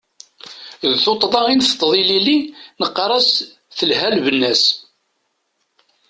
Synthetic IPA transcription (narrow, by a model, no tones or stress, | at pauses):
ðθot̪ˤːðˤɑinθt̪ːðˤililinəqːɾˤɑs | θəlɦælvənːæs